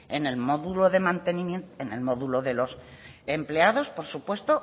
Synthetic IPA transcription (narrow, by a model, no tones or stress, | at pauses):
ene̞lmo̞ðuloðe̞mãnt̪e̞nĩmjenenelmoðulo̞ðe̞lo̞s | emple̞aðo̞spo̞ɾsupwe̞st̪o̞